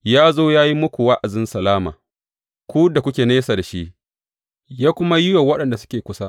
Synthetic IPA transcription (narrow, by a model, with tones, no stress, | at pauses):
jaː˦zoː˦jaː˦ji˦mʊ˦kʷu˨wa˦ʔa˨zɪ˦nsɐ˨laː˦ma̰ː˨ | kʷu˦da˨kʷʊ˦kʲeː˨neː˦sa˨da˨ʃi˦ʔ | jaː˦kʷʊ˦ma˦jʊ˦jo˨wɐ˦ɗɐ˨nda˨sʊ̥˦kʲeː˨kʷʊ˦sa˦ʔ